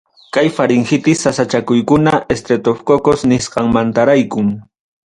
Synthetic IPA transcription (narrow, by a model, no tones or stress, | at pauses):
kajfaɾɪŋxɪt̪ɪsasat͡ʃakʊjkʊnaʔest̪ɾet̪ofkokosnɪsqɑŋmant̪aɾajkʊŋ